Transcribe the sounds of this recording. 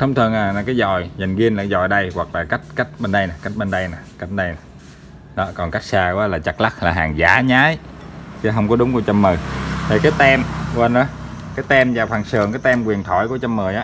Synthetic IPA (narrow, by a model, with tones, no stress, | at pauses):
t̪ʰə˧wŋ͡mt̪ʰɨ˨˩əŋaː˨˩naː˨˩kaː˨˦jzɔ˨˩jza˨˩jŋ̟ɣi˧ənlaː˨˩zɔ̰˨˩jɗə˧jɣwa˨˩k̚laː˨˩ka˦˥jk̟̚ka˦˥jk̟̚ɓe˧nɗə˧jnaː˨˩ka˦˥k̟̚ɓe˧nɗə˧jnaː˨˩ka˦˥jk̟̚ɗə˧jna˨˩ | ɗɔ˨˦kɔ˨˩nka˦˥jk̚saː˧kwaː˨˦laː˨˩t͡ɕa˨˩k̚la˦˥k̚laː˨˩ɦaː˨˩ŋza̰ː˨˦ɲaː˨˦jt͡ɕɛ˨˦ɦə˧wŋ͡mkɔ˨˦ɗʊ˨˦ŋ͡mku˧t͡ɕə˧mːəː˨˩t̪ʰə˨˩kaː˨˦jt̪ɛ˧m˧wə˧nʔa˨˦ | kaː˨˦jt̪ɛ˧mzaː˨˩wfwaː˨˩ŋsɨː˨˩əŋkaː˨˦jt̪ɛ˧mkwi˨˩ənt̪ʰɔ˧˩˦jku˧˩t͡ɕa˧mːəː˨˩jʔaː˨˦